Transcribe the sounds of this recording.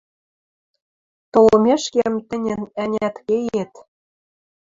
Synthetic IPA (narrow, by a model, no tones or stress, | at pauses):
t̪olɤ̆meʃkĕmt̪ɘ̆nʲɘ̆nænʲæt̪kejet̪